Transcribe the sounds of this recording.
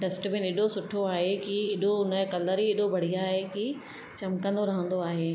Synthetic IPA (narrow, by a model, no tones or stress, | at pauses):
ɖɐsʈ̆bɪ̃nɪɗosʊʈʰoaːɦekiɪɗoʊnəkɐləɾiɪɗobʱɐɽ̤iaːɦeki | t͡ɕɐmkɐ̃nd̪oɾɐɦə̃n̆d̪oaːɦeː